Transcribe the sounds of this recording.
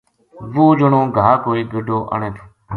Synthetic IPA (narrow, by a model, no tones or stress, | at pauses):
ʋoːd͡ʒʊɳõːɡʱaːkoːiːɡəɖʱoːʔə̰ɳẽːt̪ʰo̥ː